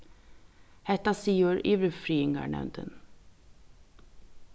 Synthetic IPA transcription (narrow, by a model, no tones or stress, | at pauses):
hɛt̪ɑsiːʊɾḭːʋɾəfɾiːɪŋɑ̰ɳɛ̰nd̪ə̰n